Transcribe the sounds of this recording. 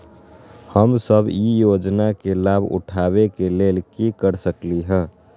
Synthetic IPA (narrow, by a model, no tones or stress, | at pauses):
həmsəbijod͡ʒnakelabʱṵʈʰabekeleːlkikəɾsəkliɦɛ̃ː